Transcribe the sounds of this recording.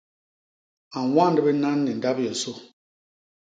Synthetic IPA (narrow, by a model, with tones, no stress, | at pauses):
a˨wa˦n˨də˦bɛ˦na˦nːi˨n˨da˦pjɛ˨so˦